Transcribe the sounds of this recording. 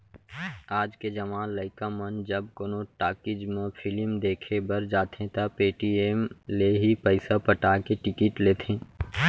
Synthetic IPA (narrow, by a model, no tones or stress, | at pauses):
aːd͡ʒked͡ʒɐʋãːləɪkamənd͡ʒɐb̚koːnõʈaːkɪd͡ʒmẽpʰɪlɪmd̪eːkʰebəɾd͡ʒaːt̪ẽt̪apeːʈieːmleɦipəɪsapəʈaːkeʈɪkɪʈleːt̪ʰẽː